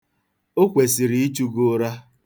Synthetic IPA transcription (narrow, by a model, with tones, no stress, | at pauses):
o˦kʷe˨si˨ɾi˨i˦t͡ʃu˦ɡo˦ɾa˦